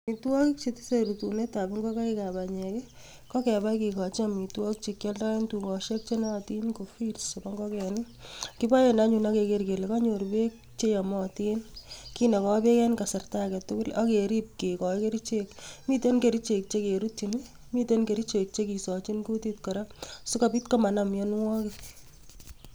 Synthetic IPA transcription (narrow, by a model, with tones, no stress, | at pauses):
mi˨twɔ˦kɪk̚t͡ʃeti̥˦seɾutune˦ta˨bɪ˦ŋɡɔ˦ka˦ika˨baɲɛ˨kɛ˦ | kɔ˦kɛ˨ba˦kika˨t͡ʃiami˨twɔ˦t͡ʃe˧kjɛ˦lda˦e˦ntukɔ˨ʃe˦k̚t͡ʃenɔti˦nko˨filsɔba˦ŋɡɔ˦kɛnɪ | ki˦ba˦jena˦ɲuna˦kekeɾke˨le˨kɔ˦ɲo˨rbek | t͡ʃe˦jɔ˨mɔ˦ti˦nki˦nɛ˨kɔ˦be˦kɛ˦nka˨sɪ˨rtakɛ˨tʊ˦kʊ˦la˦ke˨ɾi˦p̚ke˨kɔ˨˦ke˦ɾi˦t͡ʃe˦kmi˦te˦nke˨ɾi˦t͡ʃe˨k̚t͡ʃe˦ke˨ɾutːini˦ | mite˦nke˨ɾi˦t͡ʃe˨k̚t͡ʃe˦ki˨sɔ˨t͡ʃi˦nku˦ti˦t̚kɔ˨ɾa˦sʊ˦kapi˦tkɔ˦ma˨namjɛnwɔ˦kɪ